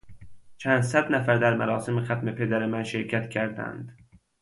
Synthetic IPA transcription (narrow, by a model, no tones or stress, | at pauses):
t͡ʃʰænd̪sæd̪næfæɾd̪æɾmæɾɒːsemexæt̪me̞pʰed̪æɾemænʃeɾcʰæt̪cʰæɾd̪æ̰nd̪